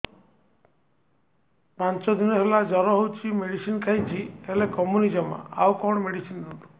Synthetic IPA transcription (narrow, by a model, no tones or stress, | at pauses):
pant͡ʃɔd̪inɔɦelad͡ʒɔɾɔɦowt͡ʃʰimeɽisinkʰajt͡ʃʰielekɔmunid͡ʒɔma̰a̰wkɔɽ̃meɽisinduʈu